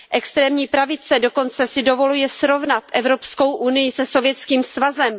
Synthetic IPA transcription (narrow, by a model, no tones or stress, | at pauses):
ʔɛkst̪ɾɛːmɲiːpɾavɪt͡sɛdo̞ko̞nt͡sɛsɪdo̞vo̞lujɛsɾo̞vnat̪ʔɛvɾo̞psko̞wʔunɪjɪsɛso̞vjɛt͡skiːmsvazɛm